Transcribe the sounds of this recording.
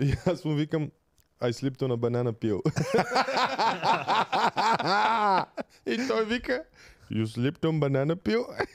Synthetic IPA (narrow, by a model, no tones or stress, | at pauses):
jasũʋikɐm | ajslip̚t̪onɐbɐnanɐpio | aa | int̪oʋikɐjuslip̚ʈombɐnanɐpio